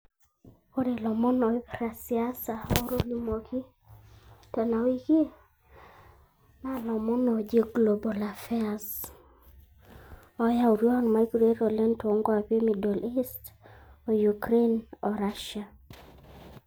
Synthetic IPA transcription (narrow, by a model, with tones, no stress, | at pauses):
o˦de˨lɔ˨mɔ˦nɔ˨˦pɾa˨sia˦sa˨ɔ˦ɾo˦li˦mo˨kʰi˦ | tɔ˨na˨wi˦ke˦ | na˦˨lɔ˨mɔ˦nɔ˨d͡ʒe˦ɡlo˨bo˨la˨fɛ˦as | ɔ˦ja˦u˨ɾo˦a˦nma˨i˦ɡɾe˦ɾo˨lɛ˦nto˦ŋɡo˦a˨pe˦mi˨do˨li˦sto˨ju˨kɾe˦nɔ˨ɾa˦ʃa˨